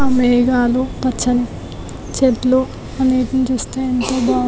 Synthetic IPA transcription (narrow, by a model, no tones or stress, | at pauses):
meːɡaːlopɐt͡ʃʰːɐni | t͡ʃet̪loː | ɐneːʈɐnit͡ʃuːst̪aːjɐnt̪oːbaː